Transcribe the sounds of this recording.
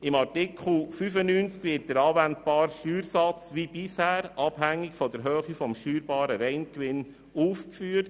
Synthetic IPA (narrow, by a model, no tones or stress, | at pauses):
ɪmɑɾtɪkʰχl̩fyfənyːnt͡skʋɪːt̚d̥əɾɑːvæntbɑːɾʃtyːɾsɑt͡sʋib̥ɪshæːɾɑb̥hæŋːɪkfɔdəɾɦøːχifɔmʃtyːɾbɑːɾəɾɛɪnkʋɪn | uːfkfyːt